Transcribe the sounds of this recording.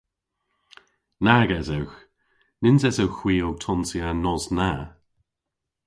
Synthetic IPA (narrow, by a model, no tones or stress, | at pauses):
naɡɛzɛwx | nɪnzɛsɛwxwiːʊɡ̚tʰɔnsianɔzna